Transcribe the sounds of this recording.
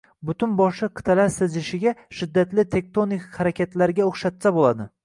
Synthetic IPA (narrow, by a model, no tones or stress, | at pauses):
bʊt̪ʰʊnbɒʃɪqʰɨ̥t̪ʰalaɾsɪzɪʃɪɡʲaʃɪd̪ːat̪lɪt̪ʰe̞k̚t̪onɪkʲhaɾakʲat̪laɾɪɡʲaoχʃat̪sabolad̪ɪ